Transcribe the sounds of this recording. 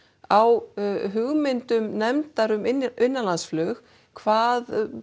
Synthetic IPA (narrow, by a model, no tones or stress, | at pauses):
awɦʏɣmɪnt̪ʏmnɛmt̪aɾʏmɪɪnːalansflœːx | kʰvaːð